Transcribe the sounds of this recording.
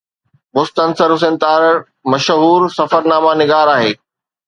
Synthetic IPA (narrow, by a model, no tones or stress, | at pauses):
mʊst̪ənsəɾʊs̬ɪ̃nt̪aːɾ | mɐʃɦuːɾsɐfəɾnaːmanɪɡaːɾaːɦeː